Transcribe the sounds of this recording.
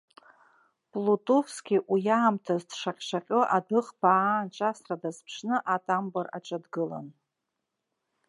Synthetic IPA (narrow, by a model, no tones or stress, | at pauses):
pʼlutʼofskʲiʔujaːmtʰazdʂaqʲʼʂaqʲʼoʔadɨχbaːnʈ͡ʂʷʼasradazpʰʂnɨʔatʼambara̰ʈ͡ʂʼadɡɨla̰n